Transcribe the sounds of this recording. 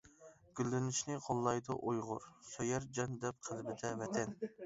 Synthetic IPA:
ɡ̥ʲylːɪnɪʃnɪqʰolˠːɑjd̪ʊʔojʁʊ̰ɾsøjɛɾd͡ʒɛnd̪ɛp̚qʰəlbɪd̪ɛvɛt̪ʰɛn

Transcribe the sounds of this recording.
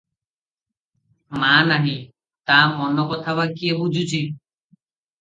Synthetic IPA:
maːnaɦĩ | t̪amɔnɔkɔt̪ʰaβakiebud͡ʒʱut͡ʃʰi

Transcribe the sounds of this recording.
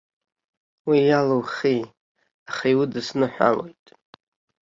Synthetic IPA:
wijalowχi | aχaiwudɨsnɨħʷᶣa̰lo̞jtʼ

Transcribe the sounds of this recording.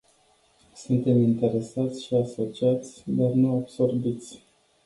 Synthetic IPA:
sunt̪e̞mint̪e̞ɾe̞sat̪sʲʃiaso̞t͡ʃiat̪sʲd̪arnuabso̞rbit̪sʲ

